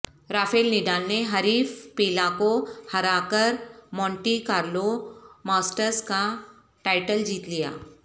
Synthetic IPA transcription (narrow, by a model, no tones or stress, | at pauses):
ɾaːfʰeːlnɪɖaːlneɦɐɾiːfpiːlãkohɐɾaːkəɾmɔ̃ːɳʈikaːɾlomaːsʈəɾska | ʈaːɪʈəld͡ʒiːt̪lija̰ː